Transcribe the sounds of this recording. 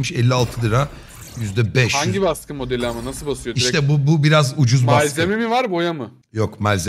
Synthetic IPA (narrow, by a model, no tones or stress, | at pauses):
mɯʃɛlʲːialˠt̪ʰɯd̪ɯɾa | jyzd̪ɛbɛʃhaɲɟibaskʰɯmo̞d̪elʲiamanasɯlˠbasɯjoiɾt̪ɛbububiɾazud͡ʒuzmbaslʲzemimivaɾbo̞jamɯ | jo̞kmalʲze